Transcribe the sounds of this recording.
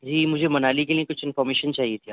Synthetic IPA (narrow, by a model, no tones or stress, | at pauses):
d͡ʒiːmʊd͡ʒʱebɐnaːlikeliekʊt͡ʃʰɪ̃nfɔːɾmeːʃənt͡ʃaːɦiet̪ʰijaː